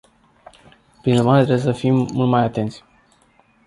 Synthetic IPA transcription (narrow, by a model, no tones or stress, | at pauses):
pɾinuɾmaɾet̪ɾe̞bwjesəfimːult̪majat̪e̞nt̪sʲ